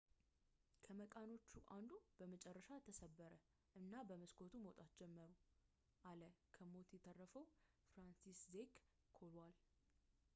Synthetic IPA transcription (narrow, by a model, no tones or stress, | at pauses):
kʰəməkʼano̞t͡ʃːuʔand̪ub̥əmət͡ʃʼɛrːəʃat̪ʰːəsəbːəɾə | ʔɨnːabəməskʰo̞t̪ʰumot̪ʼat̪̚d͡ʒɛmːəɾu | ʔaləkʰəmo̞t̪jɛt̪ʰərːəfəw | fɾansiszek | kʰo̞lwal